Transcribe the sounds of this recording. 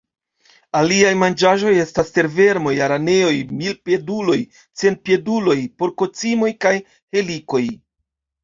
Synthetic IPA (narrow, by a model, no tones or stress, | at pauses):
aliajmand͡ʒaʒo̞je̞staste̞ɾve̞ɾmo̞jaɾane̞o̞jmilpie̞dulo̞j | t͡se̞nt̚pie̞dulo̞jpo̞ɾko̞t͡simo̞jkaj | he̞liko̞j